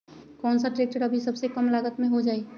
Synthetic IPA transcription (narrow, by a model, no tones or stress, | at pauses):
kɔːnsaʈɾeːk̚ʈəɾəbʱisəbsekəmlaːɡət̪mẽɦod͡ʒaːe